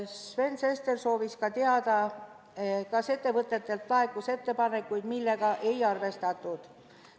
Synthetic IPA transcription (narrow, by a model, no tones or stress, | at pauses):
sve̞nse̞st̪erso̞ːviskɑt̪eɑd̪̥ɑ | kɑse̞t̪ːe̞vɤt̪ːˑe̞t̪ːˑe̞lt̪lɑekːuse̞t̪ːe̞pɑne̞kːˑujd̪̥milːe̞ɡ̥ɑʔe̞jɑrve̞st̪ɑt̪ːˑud̪̥